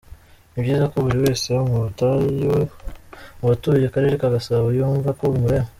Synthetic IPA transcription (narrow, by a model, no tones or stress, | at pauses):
ibɟiːzako̞βuɾiwe̞ːse̞umuta | watujakaɾe̞ːɾekaɡasaβajuːɱvakoβumuɾemo